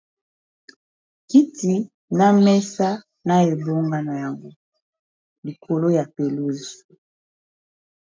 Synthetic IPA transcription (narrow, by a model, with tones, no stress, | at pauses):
ki˦ti˨ | na˦mɛ˦sa˦ | na˦e˨bo˦ŋɡa˦na˨ja˨ŋɡo˦ | li˨kʰo˨lo˦ja˨pe˨lu˦zu̥˨